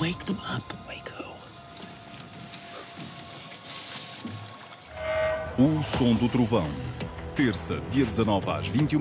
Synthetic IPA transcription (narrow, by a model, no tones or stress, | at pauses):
weɪk̚ðə̃mɐpweɪkʰo | usõd̪ut̪ɾuvɐ̃w̃t̪eɾsɐd̪iɐd̪zɐnɔva̰ʒvĩnt̪ju